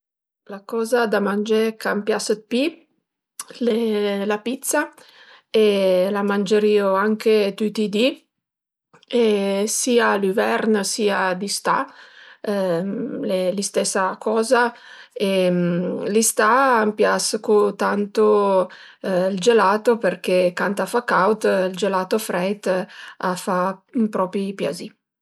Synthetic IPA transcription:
lakɔːzad̪amand͡ʒekampjas̚pi | lelapit̪sːa | elamand͡ʒeɾiːoaŋket̪ut̪ːid̪i | esiːalivɛɾnsiːad̪ist̪a̰ | lelist̪esːakɔːzae | list̪aːmpjaskot̪ant̪o | ild͡ʒelaːt̪operkekant̪afakːawt̪ild͡ʒelaːt̪ofɾɛjt̪afapɾɔːpɾipja̰zi

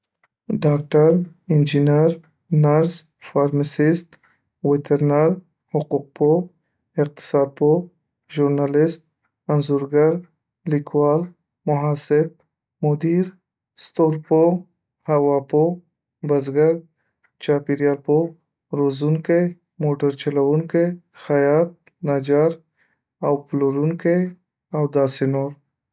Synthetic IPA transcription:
ɖaːk̚ʈəɾɪnd͡ʒinaɾ | naɾs | faːɾmasɪst̪ | wet̪ʰəɾnaɾ | hʊquq̚po | ɪq̚t̪ɪ̥saːd̪̚po | ʒuɾnalɪst̪̚ | ɐnzuɾɡaɾ | likwaːl | mʊɦaːsɪb̚ | mʊd̪iːɾ | st̪oɾpo | hɐwapo | bɐzɡəɾ | t͡ʃaːpiɾjalpo | ɾozunke | moʈəɾt͡ʃəlawuŋke | xajaːt̪̚ | nad͡ʒaːɾ | awploɾuŋke | awd̪aːsenoːɾ

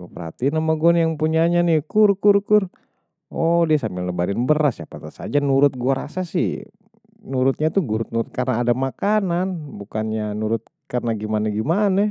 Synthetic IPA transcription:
kpərha̰t̪inamaɡɔnjaŋpuɲaɲanɪkurkurkʊr | ɔdiasampɪlləbaɾɪnbəɾasjapat̪əsa̰d͡ʒanuɾʊt̪̚ɡuaɾa̰sasɪ̰h | nuɾʊt̪̚ɲat̪uɡuɾʊt̪̚nuɾʊt̪̚karnaːdamakananbukanɲanuɾʊt̪̚karnaɡimanaɡimana

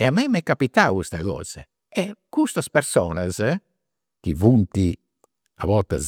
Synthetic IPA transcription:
ɛamːɛmɛkːapit̪aːvust̪aɣɔ̰ːze | ɛkust̪aspɛɾsɔ̰ːnaz | k̟ivunt̪i | avɔt̪az

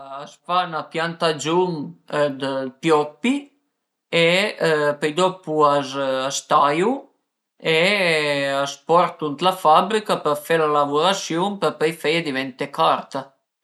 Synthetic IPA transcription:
asfanapjant̪ad͡ʒuŋd̪əlpjɔpːi | epəjd̪ɔpːuazast̪aju | e | aspɔɾt̪unt̪lafabɾikapəɾfelalavuɾasjumpəɾpəjfejed̪ivɛnt̪ekaɾt̪a

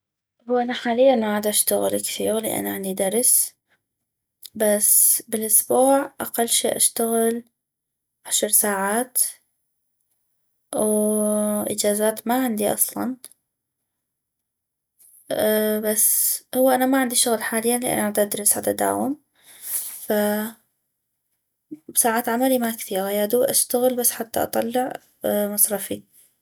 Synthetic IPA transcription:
hʊwːʔanaħaːlɪjːaʔnʕaːd̪ʔaʃt̪aɣɪlkθiːɣlḭʔa̰naʕɪnd̪id̪ɑɾˤs | basbɪlʔʊsbuːʕʔa̰qalːʃiːʔaʃt̪aɣɪl | ʕaʃɾˤsaːʕaːt̪ | w | ʔɪ̰d͡ʒaːzaːt̪maʕɪnd̪iʔɑ̰sˤlɑ̰n | bashʊwːaʔanamaʕɪnd̪iʃʊɣlħaːlɪjːanlɪʔa̰naʕad̪ʔad̪ɾɪsʕat̪ːad̪a̰ːwɪm | fa | bsaːʕaːt̪ʕamalimakθiːɣajaːd̪uːʔaʃt̪aɣɪlbasːħat̪ːa̰ʔɑ̰t̪ˤɑlːɪʕ | mɑsˤɾˤɑfi

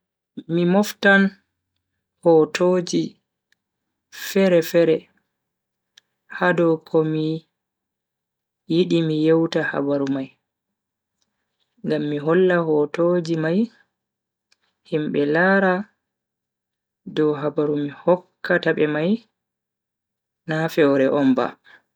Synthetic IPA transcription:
mimɔftan | hɔtʰod͡ʒi | fɛɾɛfɛɾɛ | hadɔkʰɔmi | jiɗimijewtaha̰baɾumaj | ŋɡamːiɦɔlːahɔtod͡ʒimaj | himɓɛlaɾa | dɔɦabaɾumihɔkːatabɛmaj | nafɛwɾɛʔɔmba̰

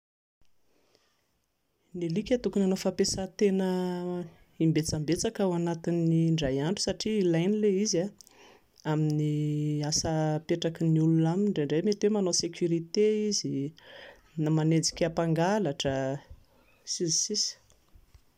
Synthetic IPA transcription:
nelikʲat̪ukunanofapesat̪enə | imbet͡sambet͡sakauanat̪inːiɳɖ͡ʐajaɳʈ͡ʂu̥saʈ͡ʂiːlajnileiza | aminiasəpeʈ͡ʂakiniulunamiɳɖ͡ʐeɳɖ͡ʐejmet̪wemanosekʲuɾit̪eizi | namaned͡zi̥kʲapaŋɡalaʈ͡ʂə | sizisisə̥

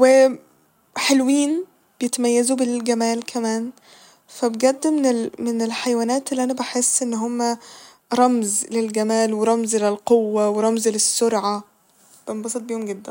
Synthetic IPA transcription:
we | ħelwiːn | b̥ejet̪æmæjːæzubelɡæmæːlkʰæmæːn | fæbeɡæd̪ːmenelmenelħajwæːnæːt̪ʔelːiʔænæbaħesːʔenːɦomːæ | ɾˤɑmzlelɡæmæːlweɾˤɑmzlelqowːæweɾˤɑmzlesːoɾˤʕa | b̥embɑs̬ˤet̪̚bejoːmɡed̪ːæn

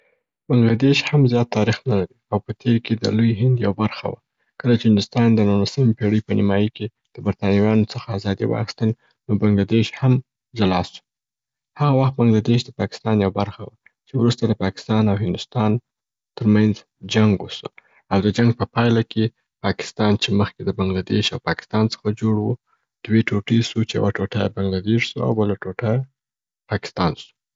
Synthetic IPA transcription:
baŋɡlad̪eʃhamzjɑt̪ːɑɾixnalaɾiawpət̪ʰeɾked̪ə̰lojɦɪnd̪jawabaɾxa̰wa̰ | kəlat͡ʃehɪnd̪ʊst̪ɑnd̪ənulasəmepeɽəjpənɪmɑjike | d̪̥əbaɾt̪ɑnjajɑnot͡səxaːzɑd̪ḭwɑ̰xi̥st̪əl | nobaŋɡlad̪eʃham | d͡ʒalɑsu̥ | haɣawaxt̪̚baŋɡlad̪eʃd̪əpɑkɪ̥st̪ɑnjawabaɾxawa | t͡ʃewɾust̪ad̪əpɑkɪ̥st̪ɑnawhɪnd̪ʊst̪ɑn | t̪əɾmanz | d͡ʒaŋɡusu | awd̪əd͡ʒaŋɡ̚pəpɑjlake | pɑkɪ̥st̪ɑnt͡ʃeməxked̪əbaŋɡlad̪eʃawpɑkɪ̥st̪ɑnt͡sə̥xad͡ʒoɽwu | d̪̥weʈoʈesut͡ʃeja̰waʈoʈabaŋɡlad̪eʃsua̰wbəlaʈoʈa | pɑkɪ̥st̪ɑnsu̥

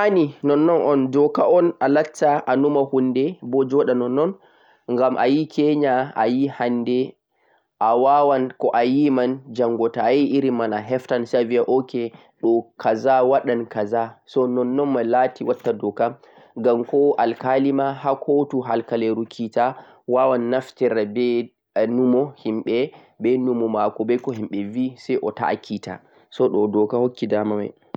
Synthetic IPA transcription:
ʔaninɔnːɔnʔɔndɔkaʔɔnʔalatːaʔanumahundɛbɔd͡ʒɔɗanɔnːɔn | ŋɡamʔa̰jikʰɛɲaa̰jihandɛ | ʔawawankɔʔajimand͡ʒaŋɡɔtaːjiʔiɾimanaɦɛftansavijaʔɔkɛ | ɗɔkazawaɗankazasɔnɔnːɔnmalatiwatːadɔka | ɡamkɔʔalkalimahakʰotuɦalkalɛɾukʰita | wawanːaftɛɾabɛ | numɔhimɓɛ | bɛnumɔmakɔbɛkɔhimɓɛvisɛjʔɔta̰ʔa̰kʰita̰ | sɔɗɔdɔkahokːidamama̰j

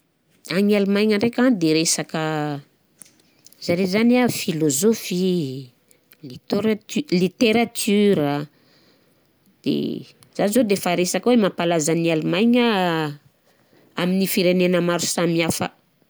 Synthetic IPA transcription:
aŋelumajɲəɳɖ͡ʐekʲand̪eɾesakə | z̥aɾezanafilozofi | it̪oɾt̪lit̪eɾat̪ʰyɾə | d̪̥ḛ | zazod̪efaɾesakwemapalazanialumajɲə | aminifiɾenenəmaɾusamiafə̰

